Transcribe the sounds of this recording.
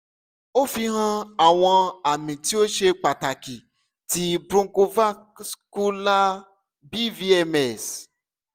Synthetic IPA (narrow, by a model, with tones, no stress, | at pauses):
o˦fi˧ɦã˧a˨w̃ɔ̃˧a˨mĩ˨ti˦o˦ʃe˧k͡pa˨ta˨ki˨ | ti˧bɾũ˦ko˧va˦ | sku˦la˦ | bi˦vi˦ɛ˧mɛ˦˨s